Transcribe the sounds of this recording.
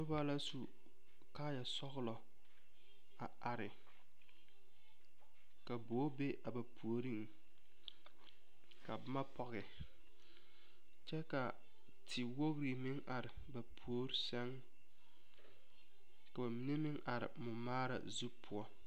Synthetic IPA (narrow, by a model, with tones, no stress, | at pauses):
tʊ˦ba˦la˦su˦ | kaː˦ja˨sɔ˦ɣlɔ˨ | a˨a˨ɾɪ˨ | ka˨boː˨˦be˦ʔa˨ba˨pʰu˨o˨ɾi˦ŋ | ka˨ba˦ma˦pɔ˦ɣɪ˨ | t͡ʃɛ˦ka˨ | tʰɪ˨wo˦ɣɾi˨mɪ˦ŋʔa˨ɾɪ˨ | ba˨pʰu˨o˦ɾi˦sɛ˦ŋ | ka˨ba˨mi˦ne˦mɪ˦ŋʔa˨ɾɪ̰˨mʊ˨maː˦ɾa̰˨zu˦pʰʊ˦ɔ˦